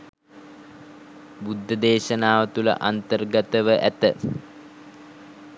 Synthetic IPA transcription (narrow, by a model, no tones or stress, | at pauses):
bud̪ʱːəd̪eːʃənaːʋət̪ulə̰ʔant̪ərɡət̪əʋəʔæt̪ə